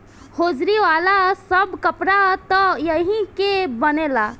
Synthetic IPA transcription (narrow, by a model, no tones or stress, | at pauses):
hod͡ʒɾiʋalasəbkəpɾat̪ɔjəɦĩkebənela